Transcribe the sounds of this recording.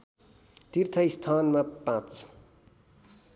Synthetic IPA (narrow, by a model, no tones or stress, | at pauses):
t̪irt̪ʰʌist̪ʰanmapãt͡s